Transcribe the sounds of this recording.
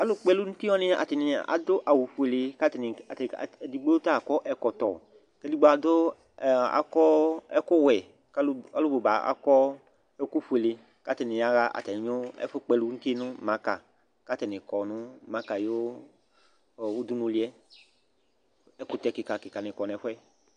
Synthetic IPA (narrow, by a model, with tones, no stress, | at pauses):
a˨lʊ˦k͡pɛ˦lu˦nũ˦ti˦ɔ˦nɪ̃˦a̰˨t̪ɪ˨nɪ˨a̰˨d̪ʊ˦ʔa˨wu˨fu˨e˨le˨ka˦tɛ˨nɪ˨a˨tdi˨ɡ͡bo˦o˦t̪a˦˨kɔ˦ʔɛ˨kɔ˨t̪ɔ˨ | kɛ˦di˦ɡ͡bo˦a˨d̪ʊ˦˨ | a̰˨kɔ˦ɛ˦kʊ˦wɛ˨ | ka˦la˦lo˦bo˨ba˨a̰˦kɔ˦ | ɛ˦ku˦fe˨lɪ˨ | ka˦t̪ɪ˨nɪ̃˨a˨ɣa˦ʔa̰˨t̪ɛ˨˦ɲo˦ɛ̰˦fʊ˦k͡pɛ˨lu˦ŋ̩˦ke˦nʊ̃˦mã˨˦ka˨ | ka˦t̪ɛ˨nɪ̃˨kɔ˨nʊ̃˦mã˦ka˨jo˦˨ | wu˦d̪u˦nũ˨li˦ɛ˦ | ɛ˦ku˨t̪ɛ˨ki˨ka˨ki˨ka˨nɪ̃˨kɔ˨nɛ˨fɛ˦